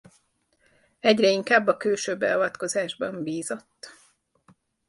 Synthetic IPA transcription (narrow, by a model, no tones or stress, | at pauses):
ɛɟrɛiŋkaːbːɒkøːʃøbːɛ̰ɒvɒt̪ko̞zaːʒbɒmbiːzo̞t̪ː